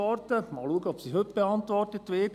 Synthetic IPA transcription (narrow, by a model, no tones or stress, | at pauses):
ɔrtəmɑ̰ːluəɡəɔpsiɦøp̚b̥eɑnt̪ʋɔrtətːʋeːɡ